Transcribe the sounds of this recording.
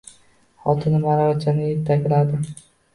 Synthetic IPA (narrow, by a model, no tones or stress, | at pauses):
χɒt̪ʰɪnɪmaɾaɾt͡ʃʰanɪjeɾt̪ʰːakʲlad̪ɪ